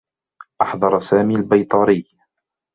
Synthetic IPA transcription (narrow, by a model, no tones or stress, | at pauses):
ʔɑħðˤɑɾˤsaːmiːalbajt̪ˤɑɾɪjː